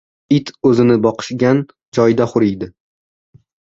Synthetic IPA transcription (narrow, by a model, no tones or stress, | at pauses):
ɪt̪ʰɵzɪnɪbɒqʰɨ̥ʃɡʲan | d͡ʒɒjd̪aχʊɾɪjd̪ɪ